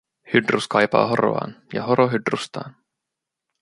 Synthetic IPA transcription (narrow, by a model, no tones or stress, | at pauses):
hydruskɑjpɑ̰ːɦo̞ro̰ɑ̰ːnjɑ̰ɦoɾʔoɦydrust̪ɑːn